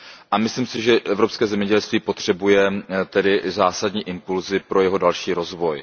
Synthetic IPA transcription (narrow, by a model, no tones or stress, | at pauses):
ʔamɪsliːmsɪʒɛʔɛvɾopskɛːzɛmɲɛɟɛlst̪viːpo̞t̪r̝̥ɛbujɛt̪ɛdɪzaːsadɲiːʔɪmpulzɪpɾo̞jɛɦo̞dalʃiːɾo̞zvo̞j